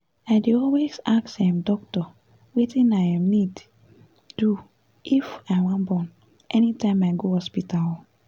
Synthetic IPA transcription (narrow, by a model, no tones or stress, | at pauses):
adeɔlwesaksɛ̃mdɔk̚tɔ | wetĩnajãmnid | d̥u | ʔifaɪwãnbɔ̃n | ʔɛnitãɪ̃maɪɡohɔspital